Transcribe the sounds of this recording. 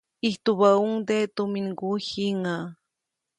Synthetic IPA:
iht̪uβauŋd̪et̪uminɡuhiŋa

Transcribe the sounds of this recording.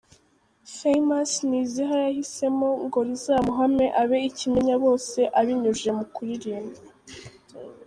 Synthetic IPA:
fejmasniziɦajahise̞mo̞ŋɡo̞ɾizamuɦame̞ʔaβe̞icimeɲaβo̞ːse̞ʔaβiɲuʒe̞mukuɾiɾiːmba

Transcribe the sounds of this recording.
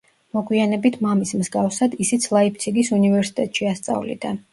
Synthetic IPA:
mɔɡwianɛbit̪ʰmamismzɡafsad̪isit̪sʰlˠaip̚ʰt̪sʰiɡisunivɛɾsi̥t̪ʼɛt̪ʼʃiast̪sʼa̰vlḭd̪a

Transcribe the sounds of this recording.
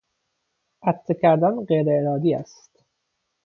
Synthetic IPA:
ʔæt̪ʰːekʰæɾd̪ɒnɢejɾeeɾɒːd̪iːæs | t̪

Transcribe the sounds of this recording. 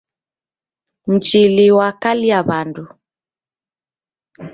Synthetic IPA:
n̩t͡ʃiliwakaliaβandu

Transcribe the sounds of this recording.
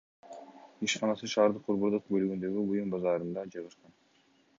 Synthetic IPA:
iʃqɑnɑsɯʃɑːɾd̪ɯq̚ːuɾβuɾd̪uq̚bølyɡynd̪ø̞ɡʲyujumbɑzɑːɾɯnd̪ɑd͡ʒɯʁɯʃqɑn

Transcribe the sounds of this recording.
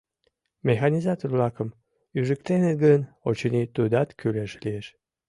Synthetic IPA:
mʲexɑnʲizɑt̪orblɑkəm | yʒɨkt̪eneɡənot͡ɕənit̪ud̪ɑt̪kʰyleʃlieʃ

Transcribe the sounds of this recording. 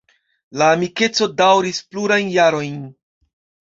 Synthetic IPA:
laːmike̞t͡so̞dawɾispluɾajnjaɾo̞jn

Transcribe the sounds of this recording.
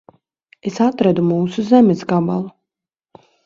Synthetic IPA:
esat̪ɾæd̪umuːsuzɛmɛsɡabalˠu

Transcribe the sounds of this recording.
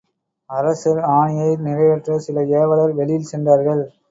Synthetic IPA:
ɐɾɐsɐɾaːɳɪjɐɪnɪɣɐɪʋɛʈrɐsɪlɐeːʋɐɭɐɾʋɛlɪjɪlsɛndaːɾɣɐɭ

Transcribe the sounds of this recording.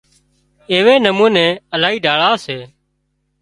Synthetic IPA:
eːʋeːnəmũːnẽːəlaːiːɖʱaːɭaːseː

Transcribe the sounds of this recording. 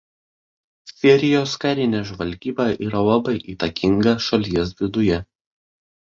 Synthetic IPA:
sʲɛɾʲɪjoːskɐɾʲɪnʲɛːʒʋɐlʲɡʲiːbɑʔiːɾɐlˠɐbɐɪʔiːt̪ɐkʲɪŋɡɐʃɐlʲiɛs̬ʋʲɪd̪ʊjɛ

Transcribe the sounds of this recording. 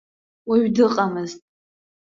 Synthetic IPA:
waɥdɨqʼamɨztʼ

